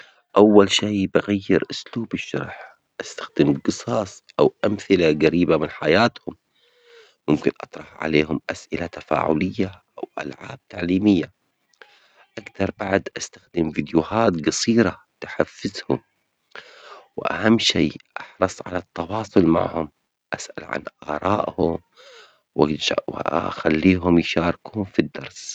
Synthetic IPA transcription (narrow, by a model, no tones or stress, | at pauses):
ʔawːalʃiːbɪɣajːɪɾʔʊsluːbɪʃːɑ̰ɾˤħ | ʔast̪ḁxd̪ɪmqɨsˤɑːsˤʔawʔamθɪlaɡaɾiːbamɪnħajaːt̪hʊmː | ʊmkɪnʔɑt̪ˤɾˤɑħʕa̰leːhʊmʔasʔɪlat̪ḁfa̰ːʕʊ̰lɪjːaʔawʔa̰lʕa̰ːb̥̚t̪aʕliːmɪjːa | ʔakt̪ɑɾˤbaʕd̪ʔast̪axd̪ɪmvid̪juhaːt̪ɡɑsˤiːɾa | t̪aħafːɪzhʊm | wɪʔa̰hamːʃiːʔɑħɾˤɑsˤʕa̰lat̪ːɑwɑːsˤʊlma̰ʕhʊm | ʔasʔa̰lʕa̰nʔɑːɾˤɑːʔhʊm | wwa̰xalːiːɦʊmjʃɑːɾˤɪkhʊmfid̪ːɑɾˤs